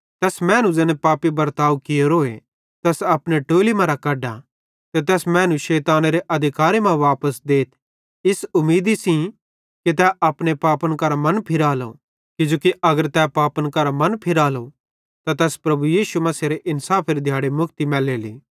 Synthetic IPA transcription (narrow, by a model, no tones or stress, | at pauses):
t̪ɛːsmɛ̃ːnũd͡ʒenɛpaːpibɐɾt̪aːukɪjoɾoːḛ | t̪ɛːsɐpneʈoːlimɐ̃ɾakɐɖa | t̪et̪ɛːsmɛ̃ːnũʃeːt̪aːneɾeʔɐd̪ʱɪkaːɾemɐ̃ʋaːpəsd̪eːt̪ʰ | ɪsʊmiːd̪isĩ | kit̪̬ɛʔɐpñepaːpənkɐɾamɐnpʰɪɾaːlo̰ | kɪd͡ʒoːkiʔɐɡəɾt̪ɛpaːpənkɐɾamɐnpʰɪɾaːlo | t̪at̪ɛːspɾɐbujiːʃumɐsiɾeʔɪnsaːpʰɪɾd̪ʱjaːɽemʊkt̪imɛːleːlḭː